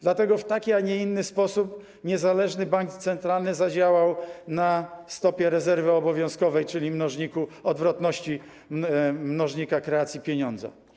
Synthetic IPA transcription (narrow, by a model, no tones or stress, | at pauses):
d̪lat̪ɛɡɔft̪akʲiaɲɛinːɘspɔsup | ɲɛzalɛʐnɘbaŋkt̪sɛnt̪ɾalnɘzad͡ʑawawnast̪ɔpʲjɛɾɛzɛɾvɘɔbɔvʲjɔ̃w̃skɔvɛjt͡ʂɘlʲimnɔʐɲikuɔd̪vɾɔt̪nɔɕt͡ɕi | mnɔʐɲikakɾɛat̪sʲjipʲjɛɲɔnd̪za̰